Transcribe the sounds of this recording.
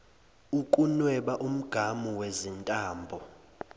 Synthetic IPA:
ukʼunwɛɓaʔum̩ɡ̥ʱamuwezintʼaːmbʱɔ

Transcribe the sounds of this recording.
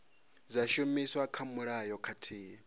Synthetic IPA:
d͡zaʃomiswakʰamuɺajɔkʰatʰiː

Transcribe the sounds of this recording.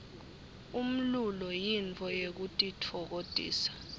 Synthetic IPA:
um̩lulɔjint͡fʰʼɔjek̬utʼitʰɔk̬odʼʱḭːsḁ

